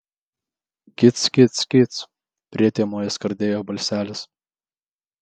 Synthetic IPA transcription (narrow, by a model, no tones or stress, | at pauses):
kʲɪt̪skʲɪt̪sʲkʲɪt̪s | pʲɾʲiɛt̪ʲeɛmoːjɛskɐɾʲd̪ʲeːjoːbɐlʲsʲæːlʲɪs